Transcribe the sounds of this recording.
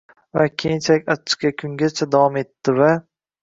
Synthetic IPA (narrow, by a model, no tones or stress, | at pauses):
vakʲʰejɪnt͡ʃʰalɪkʲat͡ʃʰːɪ̥qʲakʲʰʊŋɡʲat͡ʃʰad̪avɒme̞t̪ːɪva